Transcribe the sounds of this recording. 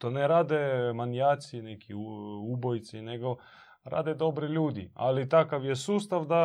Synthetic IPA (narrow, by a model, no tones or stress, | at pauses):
t̪oneɾaːd̪emanjaːt̪sinekʰiubojt̪sine̞ɡo̞ | ɾa̰ːd̪ed̪o̞bɾiʎuːd̪ia̰lit̪akaʋjesuːst̪aʋd̪a